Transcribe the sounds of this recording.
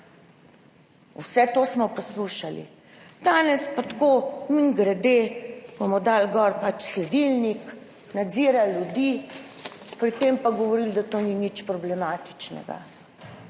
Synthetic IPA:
wsɛt̪oːsmɔpɔsluːʃalḭ | d̪̥aːnɛspat̪koːmiŋɡɾɛd̪ebomɔd̪alɡɔɾpat͡ʃslɛd̪ilnik | nad̪ziːɾaljud̪iː | pɾit̪empaɡɔʋɔɾild̪at̪oninit͡ʃpɾɔblɛmaːt̪i̥t͡ʃnɛ̰ɡa̰

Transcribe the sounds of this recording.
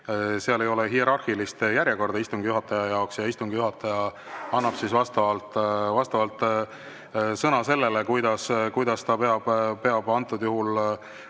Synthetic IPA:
seɑle̞jo̞lɛɦie̞ɾɑrhilist̪jæɾʲje̞ko̞rd̪ɑist̪uŋɡ̥ijuɦɑt̪ːˑɑjɑjɑoksjɑist̪uŋɡ̥ijuɦɑt̪ːˑɑjɑ | ɑnːɑb̥sisvɑst̪ɑvɑlt̪ːˑvɑst̪ɑvɑlt̪ˑ | sɤnɑse̞lːe̞lekujd̪̥ɑskujd̪̥ɑst̪ɑpe̞ɑb̥pe̞ɑb̥ɑnt̪ːˑud̪̥juɦul

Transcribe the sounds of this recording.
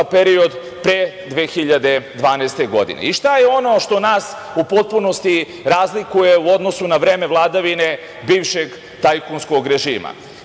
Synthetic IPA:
peɾio̞d̪ | pɾe | d̪ʋeːxiʎad̪e̞d̪ʋaːnast̪e̞ɡo̞̰d̪ḭnḛiʃt̪ajeo̞no̞ʃt̪o̞naːs | upo̞t̪̚puno̞st̪i | ɾaːzlikuje̞uo̞d̪nosunaʋɾe̞ːme̞ʋlˠaːd̪aʋine̞ | biːʋʃeɡ | t̪ajkunsko̞ɡɾe̞ʒiːma̰

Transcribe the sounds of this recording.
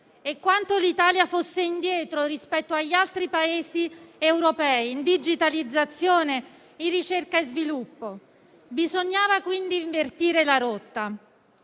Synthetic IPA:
ekːwant̪olit̪aːljafosːeind̪jɛːt̪ɾoɾispɛt̪ːoaʎːialt̪ɾipaeːsiewɾopɛːiːnd̪id͡ʒit̪alid̪zːat̪sːjoːne | irːit͡ʃerkaezvilupːo | bizoɲːaːvakwind̪iɱvert̪iːɾelaɾot̪ːa

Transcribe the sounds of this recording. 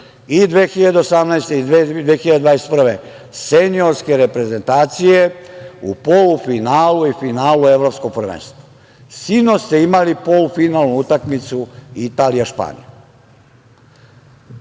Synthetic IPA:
id̪ʋeːxiʎad̪eosamnaest̪eid̪ed̪ʋeːxiʎad̪d̪ʋaːjeset̪pr̩ʋe | senio̞ɾske̞ɾepɾe̞ze̞nt̪aːt̪sije̞upolufinaːluifinaːlue̞ʋɾo̞pskoɡ̚pɾ̩ʋḛːnst̪ʋḁ | sinost̪e̞imalipo̞lufinalˠnuut̪akmit̪suit̪aːlijaʃpa̰ːnḭja̰

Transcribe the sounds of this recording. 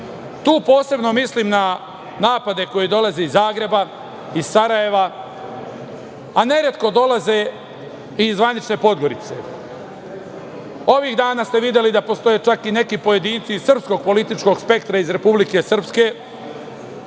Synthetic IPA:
t̪uːpo̞ːse̞bno̞misliːmna | naːpad̪e̞ko̞jid̪o̞lazeizːaːɡɾe̞ba | izsaɾaje̞ʋa | ane̞ɾet̪ko̞d̪o̞laze̞ | izːʋanit͡ʃne̞po̞d̪ɡo̞ɾit̪se̞̰ | o̞ʋiɣd̪aːnast̪e̞ʋid̪je̞lid̪apo̞st̪o̞jeːt͡ʃakine̞kipo̞je̞d̪iːnt̪sisr̩psko̞ɡ̚po̞lit̪it͡ʃko̞ɡspe̞kt̪ɾaizɾe̞publike̞sr̩pske̞

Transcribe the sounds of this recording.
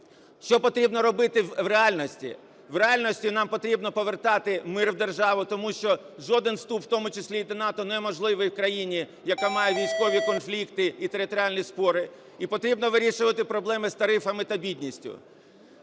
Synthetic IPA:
ʃt͡ʃɔpɔt̪ɾʲibnɔɾɔbɪt̪ɪʋɾeɑlʲnɔsʲtʲḭ | ʋreɑlʲnɔsʲtʲinɑmpɔt̪ɾʲibnɔpɔʋert̪ɑt̪ɪmɪrwd̪erʒɑʋʊt̪ɔmuʃt͡ʃɔ | ʒɔd̪ɪnst̪upwt̪ɔmʊt͡ʃɪsʲlʲid̪ɐnɑt̪ɔnɛmɔʒlˠɪʋɪjwkɾɐjinʲi | jɐkamɑjɛʋʲijsʲkɔʋʲikɔnflʲikt̪ɪit̪eɾɪt̪ɔɾʲɪalʲnʲispɔɾɪ | ipɔt̪ɾʲibnɔʋɪɾʲiʃʊʋɐt̪ɪpɾɔblˠɛmɪzst̪ɐɾɪfɐmɪt̪ɐbʲid̪ʲnʲisʲtʲʊ̰

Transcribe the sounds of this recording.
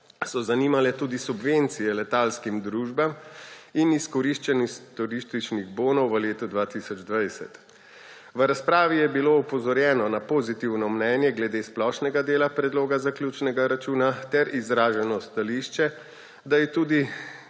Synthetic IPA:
sɔzaniːmalɛt̪uːd̪isubʋent̪sijɛlɛt̪alskimd̪ɾuːʒbaminiskɔɾiʃt͡ʃɛnist̪ɔɾiːʃt̪it͡ʃniɣboːnɔwʋəleːt̪ud̪ʋaːt̪isɔd͡ʒd̪ʋajsɛ̰t̪ | ʋəɾaspɾaːʋijɛbiloupɔzɔɾjɛːnɔnapozit̪iwnɔmnɛnjɛɡlɛd̪eːsplɔːʃnɛɡad̪eːlapɾɛd̪loːɡazaklʲjuːt͡ʃnɛɡaɾat͡ʃuːnat̪ɛɾizɾaːʒɛnɔst̪aliʃt͡ʃɛ | d̪ajɛt̪uːd̪i

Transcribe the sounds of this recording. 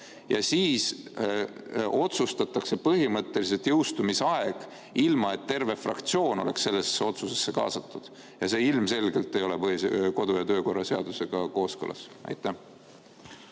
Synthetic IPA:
jɑ̰siːs | o̞t̪sust̪ɑt̪ːˑɑkse̞pɤɦimɤt̪ːe̞lis̬et̪jɤwst̪umisɑeɡ̥ | ilmɑe̞t̪ːe̞rve̞frɑ̰kt̪sio̞ːnole̞̰ksːe̞lːe̞sːeo̞t̪suse̞sːe̞kɑ̰ːsɑt̪ːud̪̥ | jɑse̞ːilmse̞lɡ̥e̞lt̪ːe̞jo̞lepɤsko̞d̪̥ujɑt̪ø̞ːko̞rːɑse̞ɑ̰d̪use̞ɡ̥ɑko̞ːskɤlʔɑ̰sɑ̰jt̪ːˑæ

